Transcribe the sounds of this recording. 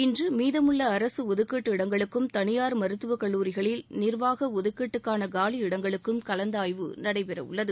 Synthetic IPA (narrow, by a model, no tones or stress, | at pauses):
ɪndrɯmiːðɐmɯɭːɐːɾɐsɯɔðɯkːiʈːɯɪɽɐŋɡɐɭɯkːɯmt̪ɐɳɪjaːɾmɐɾɯt̪ːɯʋɐkɐɭːuːɾɪɣɐɭɪlnɪrʋaːɣɐɔðɯkːiʈːɯkːaːnɐɡaːliɪɽɐŋɡɐɭɯkːɯmkɐlɐnd̪aːjʋɯ̰nɐɽɐɪpɛɾɐ̰ʊ̰ɭːɐðɯ